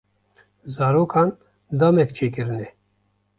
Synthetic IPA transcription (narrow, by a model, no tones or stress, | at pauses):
zaːɾoːkʰɑːn | d̪amɛkt͡ʃʰeːkɨɾɨnɛ